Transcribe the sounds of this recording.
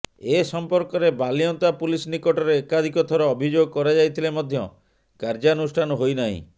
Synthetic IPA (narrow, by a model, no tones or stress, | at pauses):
esɔmpɔɾkɔɾebaliɔnt̪apulisnikɔʈɔɾeːkad̪ʱikɔt̪ʰɔɾɔːbʱid͡ʒoɡɔkɔɾad͡ʒajt̪ʰilemɔd̪ʱjɔ | kaɾd͡ʒanusʈʰanɔɦojnaɦḭ̃